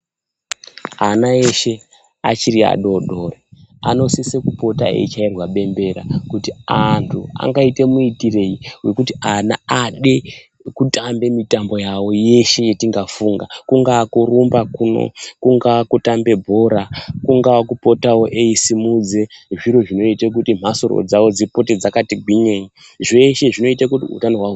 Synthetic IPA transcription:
anae̞ʃe̞ | at͡ʃiɾia̰ɗoɗo̞reano̞sisekupo̞ta̰ḛit͡ʃairwaɓe̞mbe̞ɾa̰kutiantʰua̰ŋɡaite̞muitire̞iwe̞kutiana̰aɗe̞ | kutambe̞mitambo̞jawo̞je̞ʃe̞jetiŋɡafuːŋɡakuŋɡakurumbakuno̰kuŋɡakutambe̞bʱo̞ɾakuŋɡaakupo̞tawo̞ʔeisimud͡ze̞ʐiɾo̞ʐino̞itek̬utim̤asoro̰d͡zawo̞d͡zipo̞ted͡zakatiɡʱiɲeɲi | ʐe̞ʃe̞ʐino̞itakutḭṵtano̞ɦwaɦu

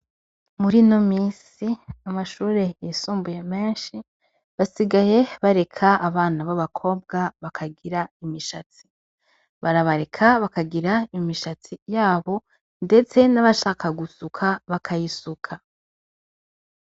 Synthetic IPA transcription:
muɾino̞miːs | iamaʃuːɾe̞jisuːmbuje̞me̞ːnʃi | βasiɡaje̞βaɾe̞kʰaːβaːnaβaβakʰo̞ːb̚ɡaβakʰaɡiɾaimiʃat͡si̥ | βaɾaβaɾe̞kʰaβakaɡiɾaimiʃat͡sijaːβo̞ | nde̞t͡se̞naβaʃaːkaɡusukʰaβakʰajisukʰa

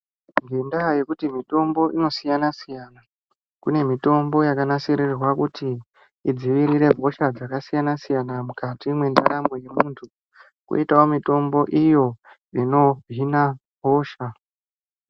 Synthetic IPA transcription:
ŋɡendaje̞kutimito̞mbo̞ʔino̞sijanasijana | kune̞mito̞mbo̞jakanasirirwakutiː | d͡ziʋiɾiɾe̞vʱo̞ʃad͡zakasijanasijanamukatimwe̞ndaɾameje̞muntʰu | kṵitaomito̞mbo̞ʔijo̞ | ino̞inavʱo̞ːʃa

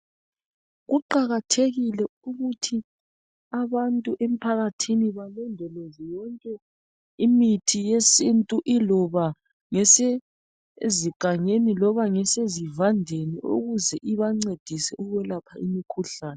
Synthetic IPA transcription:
ɣuǃaɣatʰeɣilɛuɣutʰi | aβantʼuʔem̩pʰaɣatʰiniβalɛndʱɛlɔzɔjɔŋkʼɛ | imitʰijesintʼuʔilɔβa | ŋɛse | ziɡ̥ʱaŋenilɔβaŋɛsezivandʱeniʔo̰ɣuzɛʔiβaŋ͡ǀed̥ʱisɛʔuɣɛlapʰaḭmikʰuɬaːnɛ

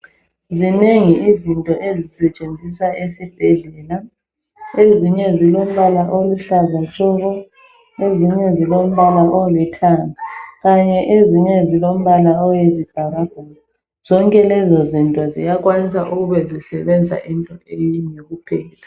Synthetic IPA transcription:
zineŋiʔizintʼɔʔezisɛt͡ʃʼend͡zʱiswaʔesib̥ʱɛɮɛːla | eziɲɛzilom̩βalaʔoluɬazant͡ʃʼɔɣɔ | eziɲɛzilom̩βalaʔolitʰaːŋaɣaɲɛʔeziɲɛzilom̩βalaɔjezib̥ʱaɣab̥ʱaːlɔ | z̥ɔŋkʼɛlɛzozintʼwazḭjaɣʼwanisaʔuɣuβɛzisɛβɛnd͡zʱa̰ʔintʼɔeliɲeɣupʰɛːla

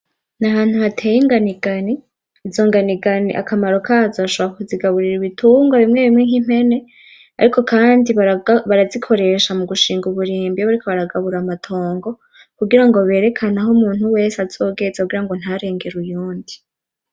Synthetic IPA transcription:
naɦaːn̥huhatʰejiŋɡaniɡani | zo̞ːŋɡaniɡanḭʔa̰kʰamaɾo̞kʰazaβaʃoβɾakuziɡaβuɾiɾiβituːŋɡwaβimŋe̞βimŋe̞ŋhim̥he̞ne̞ | a̰ɾikʰo̞kʰaːndiβaɾazikʰo̞ɾe̞ʃamuɡuʃiːŋɡuβuɾiːmbiaβaɾikʰo̞βaɾaɡaβuɾamatʰo̞ːŋɡo̞ | kuɡiɾaŋɡo̞βe̞ːɾe̞kʰanaɦomuːn̥huwe̞ːsaz̥o̞ːɡe̞zakuɡiɾaŋɡo̞n̥haɾe̞ːŋɡe̞ɾujuːndi

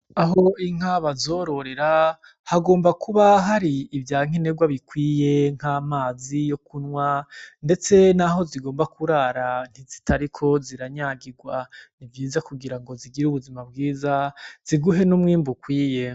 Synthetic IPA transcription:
aɦo̞iŋ̥haβazo̞ɾo̞ɾe̞ɾa | haɡo̞ːmbakuβaɦaɾiːvjaːŋ̥eneɡwaβikwiːje̞ŋ̥haːmaːzijo̞kunŋwande̞t͡se̞naɦo̞ziɡo̞ːmbakʰuɾaɾan̥izitaɾikʰo̞ziɾaɲaɡiɡwanivjiːzakuɡiɾaŋɡo̞ziɡiɾuβuzimab̚ɡiːzaz̥iɡuɦe̞numŋiːmbukwiːje̞

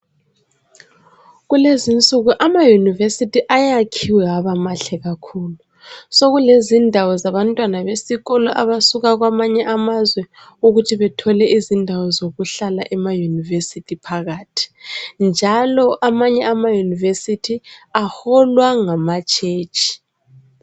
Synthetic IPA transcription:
ɣulezint͡sʼuɣuʔamajunivesitʰiʔajakʰiwɛɣaβamaɬɛɣakʰulu | soɣulezindʱawɔzaβantʼwanaβesiɣɔlɔʔaβasuɣaɣwamaɲɛʔamazwɛ | uɣutʰiβɛtʰɔlɛʔizindʱawɔzoɣuɬalaʔɛmajunivesitʰipʰaɣaːtʰi̥nd͡ʒʱalɔʔamaɲɛamajunivesitʰiahɔlwaŋamat͡ʃʼʰeːt͡ʃʰʼi̥

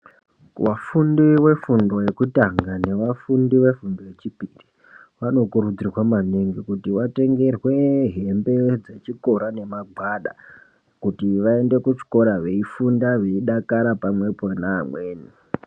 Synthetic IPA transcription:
wafundiwe̞fundo̞je̞kutaŋɡane̞ʋafundiʋe̞fundo̞je̞t͡ʃipiri | ʋano̞kuɾud͡zirwamaneŋɡikutiʋate̞ŋɡe̞rwe̞ɦe̞mbe̞d͡ze̞t͡ʃiko̞ɾane̞maɡʱwaɗa̰ | kutiʋae̞nde̞kut͡ʃi̥ko̞ɾaʋe̞ifundaʋe̞iɗakaɾapamwe̞ponaːmweːni

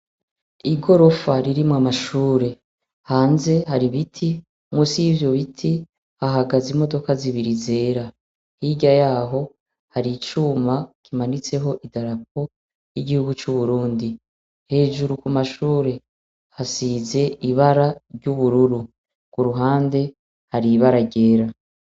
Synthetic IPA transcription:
iɡo̞ɾo̞faɾiɾimwamaʃuːɾe̞ | haːnze̞haɾiβitʰi | muːsijivjo̞βitʰi | haɦaɡazimo̞do̞kaziβiɾize̞ːɾa | hiɟajaːɦo̞ | haɾit͡ʃuːmakimanit͡se̞ɦo̞ʔidaɾap̚o̞ | jiɟihuɡut͡ʃuβuɾuːndi | he̞ːʒuɾukumaʃuːɾe̞ | hasize̞iβaɾaɾɟuβuɾuɾu | kuɾuɦaːnde̞ | haɾiβaɾaɟe̞ːɾa

